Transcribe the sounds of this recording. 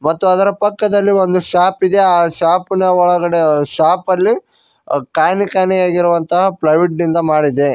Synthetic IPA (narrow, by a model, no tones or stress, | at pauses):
mɐt̪ːuɐd̪ɐɾɐpɐkːɐd̪ɐlːiʋo̞nd̪uʃaːpid̪e̞aːʃaːpinɐɔɭɐɡɐɽe̞ʃaːpɐlːi | kaːjnikaːnɛjaːɡiɾuʋɐnt̪ɐɦɐplɐʋiʈnind̪ɐmaːɽid̪e̞